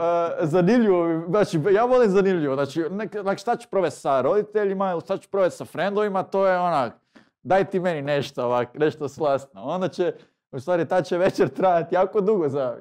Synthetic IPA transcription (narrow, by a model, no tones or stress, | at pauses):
əzanimʎiʋoinaːt͡ʃijaːʋo̞lˠimzanimʎiʋoznaːt͡ʃineknaːkʃt̪at͡ɕɛ̥pɾoʋest̪saɾo̞d̪it̪eʎimailʃt̪at͡ʃu̥pɾoʋest̪safɾend̪oʋimat̪oːjeonak | d̪ajt̪ime̞nineʃt̪ooʋakneʃt̪oslˠast̪noo̞nd̪at͡ɕe | ust̪ʋaːɾit̪at͡ɕeʋet͡ʃeɾt̪ɾajat̪ijaːkod̪uɡoza